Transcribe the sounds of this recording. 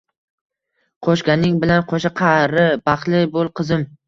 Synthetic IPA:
qʰoʃɡʲanɪŋbɪlanqʰoʃɪqʰɑɾɪbɑχlˠɪbolˠqʰɨzɪm

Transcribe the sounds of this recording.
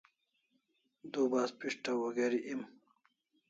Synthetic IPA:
d̪uːbaːspiʂʈawoɡeɾiʔim

